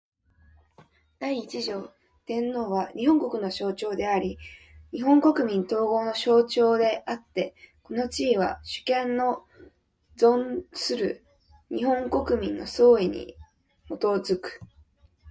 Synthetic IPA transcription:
d̪̥aiːt͡ɕiʑo̞ː | t̪ẽ̞nːo̞ːβaɲ̟iɦõ̞ŋko̞kɯ̟no̞ɕo̞ːt͡ɕo̞ːd̪e̞aɾʲi | ɲ̟iɦõ̞ŋko̞kɯ̟mʲĩnt̪o̞ːɡo̞ːno̞ɕo̞ːt͡ɕo̞ːd̪e̞ʔat̪ːe̞ko̞no̞t͡ɕiːβ̞a̰ɕɨ̥kẽ̞nːo̞ | d͡zõ̞nsɨɾɯ̟̰ | ɲ̟ihõ̞ŋko̞kɯ̟mʲĩnːo̞̰so̞ːiɲ̟ḭ | mo̞t̪o̞zɨkɯ̥

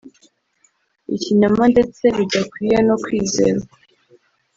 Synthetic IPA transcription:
ḭciɲamande̞t͡se̞βiɟakwijeno̞kwiːzeːɾa

